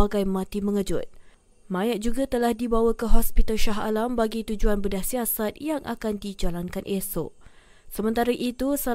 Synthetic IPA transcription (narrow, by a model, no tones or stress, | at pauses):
aɡajmãt̪imə̃ŋəd͡ʒʊt̪̚ | mãjaʔ̚d͡ʒuɡat̪əlahdibawakəɦɔspit̪alʃaɦa̰lambaɡit̪ud͡ʒuanbədahsiasat̪̚jaŋʔa̰kandid͡ʒalankanʔeso | səmə̃nt̪aɾaʔit̪usa